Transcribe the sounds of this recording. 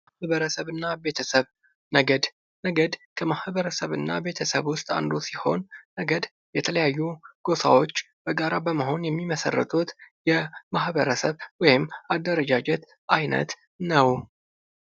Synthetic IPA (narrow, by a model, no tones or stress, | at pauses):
hβəɾəsəβɨnːabe̞t̪ʰəsəβ | nəɡəd̪ | nəɡəd̪kʰəmahbəɾəsəβɨnːa̰be̞t̪ʰəsəβwʊst̪ʼa̰nd̪osiho̞̰nːəɡəd̪ | jɛt̪ʰələjajːuɡ̥o̞sa̰wo̞t͡ʃː | b̥əɡaɾabəməɦo̞njɛmːiməsə̰rːə̰t̪ʰʼut̪jɛmahbəɾəsəβwɔjɪmːad̪ːəɾəd͡ʒad͡ʒɛt̪ | ajnə̰t̪ | nəw